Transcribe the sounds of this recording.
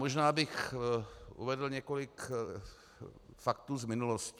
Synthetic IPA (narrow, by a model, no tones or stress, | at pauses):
oʒnaːbɪx | ʔṵvɛdl̩ɲɛkolɪk | fakt̪uːzmɪnulosc